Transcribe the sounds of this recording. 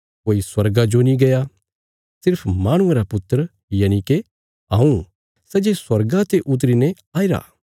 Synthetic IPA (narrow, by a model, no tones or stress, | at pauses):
koːiswɐɾɡad͡ʒonĩɡɐja | sɪɾpʰmaːɽ̃ʊẽɾapʊt̪ːəɾə | jaːnike | aːũ | sɛd͡ʒeswɐɾɡãt̪eʔʊt̪̬ɾinɛ | aːiɾa̰ː